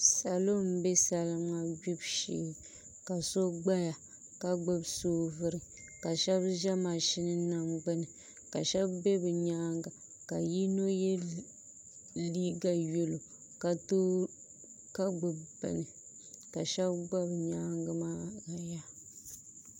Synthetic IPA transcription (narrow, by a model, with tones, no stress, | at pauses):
sa˨lo˦m˦be˦sa˨lɨ˦ma˦ɡu˦bʃḭː˨˦˨ | ka˨so˦ɡ͡ba˦ja˨ | ka˦ɡ͡bɨ˦bsoː˦vɨ˦ɾɨ˨ | ka˨ʃɛ˦bʒɛ˦ma˨ʃɪ˦nɨ˦na˦ɡ͡bɨ˦nɨ˨ | ka˨ʃɛ˦bbe˦bɨ˨ɲaː˦ŋɡa˨ | ka˨ji˦no˦jɛ˦ | na˨liː˦ɡa˦jo˦lo˨ | ka˨to˦ | ka˦ɡ͡bɨ˨bbɨ̰˨nɨ˨ | ka˨ʃɛ˦bɡ͡ba˦bɲaː˦ŋɡa˦maː˦ka˨ja˦